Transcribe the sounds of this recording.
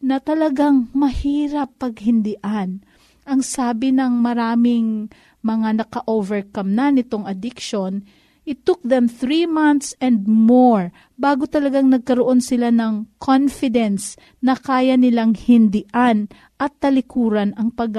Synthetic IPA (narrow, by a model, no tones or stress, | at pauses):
nɐt̪ɐlɐɡaŋmɐhiːɾɐpːɐɡhɪnd̪ɪʔan | ʔɐŋsaːbɪnɐŋmɐɾaːmɪŋ | mɐŋanɐkɐʔovɛɹkamnɐnɪt̪oŋɐd̪ɪkʃon | ʔɪt̪ʊk̚ðɛmθɾimant̪sɛnd̪̚moɹ | baːɡot̪ɐlɐɡaŋnɐɡ̚kɐɾoʔo̞nsɪlanɐŋkʰonfɪd̪ɛns | nɐkaːjɐnɪlaŋhɪnd̪ɪʔan | ʔɐt̪ːɐlɪkuːɾɐnɐŋpɐɡ